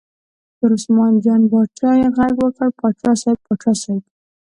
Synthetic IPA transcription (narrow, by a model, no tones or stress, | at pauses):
t̪əɾʊsmɑnd͡ʒɑnbɑt͡ʃɑjeɣaɡwəkəɽpɑʈ͡ʂɑsajb̚pɑʈ͡ʂɑsajb